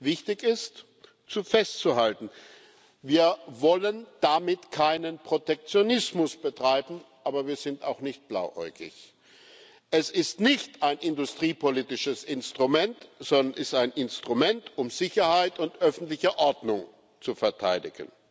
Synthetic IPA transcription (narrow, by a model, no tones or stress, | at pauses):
vɪçtɪçɪst | t͡sufɛstt͡suhaltn̩ | viːɐvɔlənd̥amɪtkʰaɪnənpʁ̥otɛk̚t͡sjonɪsmʊsb̥ətʁ̥aɪbm̩ʔaːbɐviːɐzɪnta̰ʊxnɪçt̚b̥la̰ʊʔɔ̰ʏɡɪ̰ç | ʔɛsɪstnɪçtaɪnʔɪndʊstʁ̥iːpʰoliːtɪʃəsɪnstʁ̥umɛntz̥ɔndɐnʔɪstaɪnʔɪnstʁ̥umɛntʊmz̥ɪçɐhaɪtʊntʔœfn̩tlɪçəʔɔɐdnʊŋ | t͡sufɛɐtʰa̰ɪdɪ̰ɡə̰n